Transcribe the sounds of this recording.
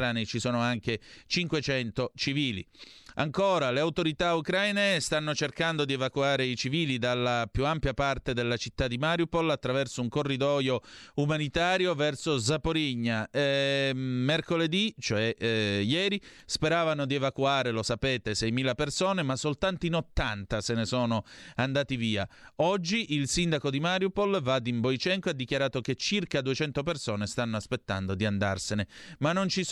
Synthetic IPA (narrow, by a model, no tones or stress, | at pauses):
anit͡ʃisoːnoaŋket͡ʃiŋkwet͡ʃɛnt̪ot͡ʃiviːlḭa̰ŋkoːɾaleawt̪oɾit̪aukɾajnest̪anːot͡ʃerkand̪od̪ievakwaːɾeit͡ʃiviːlid̪alːapjuampjapart̪ed̪elːat͡ʃit̪ːad̪ːimaɾjupolat̪ːɾavɛrsouŋkorːid̪ɔjoumanit̪aːɾjovɛrsozapoɾiɲːae | merkoled̪it͡ʃoɛjɛːɾi | speɾaːvanod̪ievakuaːɾelosapeːt̪esɛjmiːlapersoːnemasːolt̪ant̪oinot̪ːant̪asenesoːnoand̪aːt̪iviːaɔd͡ʒːiʔilsind̪akod̪imaɾjupolvad̪imbojt͡ʃɛŋkoad̪ːik̟jaɾaːt̪ok̟et͡ʃːirkad̪uet͡ʃɛnt̪opersoːnest̪anːoaspet̪ːa̰nd̪od̪iand̪a̰rsenemanːont͡ʃi